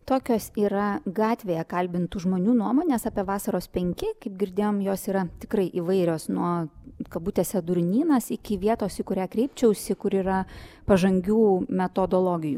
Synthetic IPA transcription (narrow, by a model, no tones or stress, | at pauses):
t̪oːkʲoːsiːɾɐɡɑːt̪ʲʋʲeːjɛkɐlʲbʲɪnt̪uːʒmoːnʲuːnuɔmoːnʲeːsɑːpʲiɛʋɑːsɐɾoːspʲɛŋʲkʲɪkɐɪp̚ɡʲɪɾʲd̪ʲeːjoːmjoːsiːɾɐt̪ʲɪkrɐɪʔiːʋɐɪɾʲoːsnuɔkɐbuːt̪ʲeːsʲɛd̪ʊɾʲnʲiːnɐsɪkʲɪʋʲiɛt̪oːsʲɪkʊɾʲæːkɾʲɛɪpʲt͡ʃʲɛʊsʲɪkʊɾiːɾɐpɐʒɐŋʲɡʲuːmʲɛt̪oːd̪oːlˠoːɡʲɪjṵː